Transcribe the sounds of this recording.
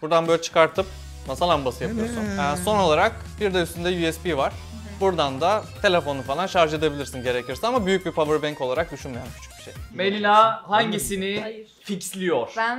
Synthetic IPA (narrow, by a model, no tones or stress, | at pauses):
buɾd̪anbøjlʲɛt͡ʃʰɯ̥kaɾt̪ʰɯp̚ | masalˠambasɯjapʰɯjoɾsunɛso̞no̞lˠaɾak | biɾd̪ɛyst̪ʰynd̪ɛjuɛspivaɾ̥ | buɾd̪and̪at̪ʰe̞lʲe̞fo̞nufalˠanʃaɾʒed̪abilʲiɾsinɟe̞ɾecʰiɾsɛnamabyjyc̚bipʰavɯɾbæɲco̞lˠaɾak̚d̪yʃynmyjancʰy̥t͡ʃʰy̥biʃḛjmelʲinahaɲɟisini | ficslʲijoɾ̥